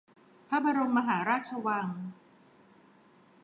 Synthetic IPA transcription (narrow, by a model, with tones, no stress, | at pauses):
pʰa˦˥˩ba˧ɾo˧nma˧ɦaː˩˦ɾaː˥˩t̪̚t͡ɕʰa˧wa˧ŋ